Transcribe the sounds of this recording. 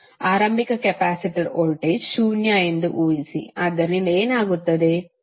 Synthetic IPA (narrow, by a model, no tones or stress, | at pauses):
aːɾɐmbikɐkɛpaːsiʈiɾoɭʈeʃuːnjaːind̪uʔuːjisḭaːd̪ɐɾnineːnaːɡut̪ːɐd̪e̞